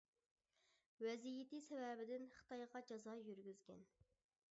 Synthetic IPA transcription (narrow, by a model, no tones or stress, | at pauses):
wɛzijɪt̪isɛvɛbɪd̪ɪnχɨ̥t̪ʰɑjʁɑd͡ʒɑzɑjyɾɡʲyzɡʲɛ̰n